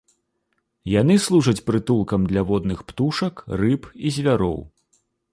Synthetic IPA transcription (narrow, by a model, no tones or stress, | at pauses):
janɨslˠuʐɐt͡sʲpɾɨt̪ulˠkɐmd̪lʲavɔd̪nɨxpt̪uʂɐkrɨpizʲvʲaɾɔ̰w